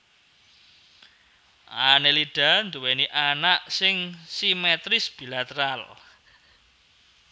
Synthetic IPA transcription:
ʔanelid̥a̤nd̪uweniʔanaʔsɪŋsimet̪ɾɪsb̥i̤lat̪əɾal

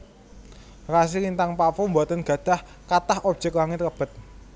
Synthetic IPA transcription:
ras̬iɾint̪aŋpafumbuat̪ənɡ̥ä̤d̪̥a̤h | kat̪ahɔb̥̚ʒ̥əklaŋɪt̪kəb̥ə̤t̪̚

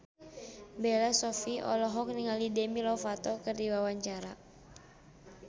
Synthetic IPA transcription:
belasɔfiʔɔ̰lɔɦɔk̚niŋalidɛmilɔfat̪ɔkɨrdiwawaɲt͡ʃaɾa

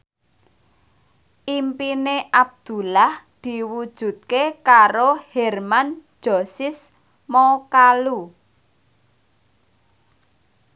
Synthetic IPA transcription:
ʔimpineʔab̚d̪̥ṳlahd̪̥i̤wud̥ʒ̥ṳt̪̚kekaɾohɛrman̥d͡ʒ̥osɪs | mɔkalu

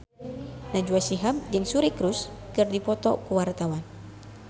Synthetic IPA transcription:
nad͡ʒuasiɦamd͡ʒɨŋsuɾikɾuskɨrdipɔt̪ɔkuwart̪awan

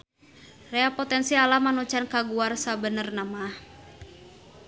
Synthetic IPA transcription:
rɛapɔt̪ɛnsialamanut͡ʃankaɡuarsabənərnama

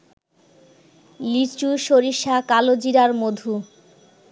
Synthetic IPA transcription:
lit͡ɕuʃoɾiʃakalod͡ʑiɾaɾmod̪ʱu

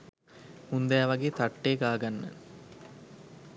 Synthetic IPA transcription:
und̪aaʋɐɡeːt̪aʈːeːɡaːɡanːə̰

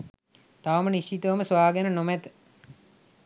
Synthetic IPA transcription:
t̪aʋəməniʃt͡ʃit̪əʋəməsʋaːɡənənomæt̪ə̥

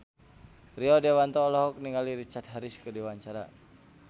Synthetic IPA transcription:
riɔdewant̪ɔːlɔɦɔk̚niŋaliɾit͡ʃart̪̚ɦaɾiskədewaɲt͡ʃaɾa

